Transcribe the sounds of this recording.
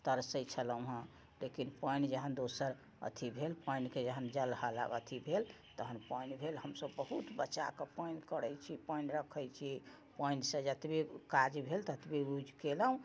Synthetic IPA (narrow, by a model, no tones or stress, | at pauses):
t̪əɾsəjt͡ʃʰələũɦə̃ | lekinpəjnd͡ʒəɦənd̪osəɾ | ə̰t̪ʰibʱelpəjnked͡ʒəɦənd͡ʒəlhələ̰bə̰t̪ʰibʱel | t̪əɦənpəjnbʱelɦəmsəbːəɦut̪bətːt͡ʃa̰kepəjnkəɾəjt͡ʃʰipɔjnɾəkʰəjt͡ʃʰi | pɔjnɖsə̃d͡ʒət̪bekad͡ʒbʱelt̪ət̪biɡud͡ʒʱkeləũ